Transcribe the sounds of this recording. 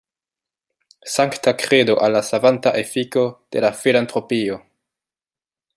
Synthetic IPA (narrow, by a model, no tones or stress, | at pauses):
saŋktakɾe̞doʔalːasavantaʔefiko̞d̥e̞lafilantɾo̞pio̞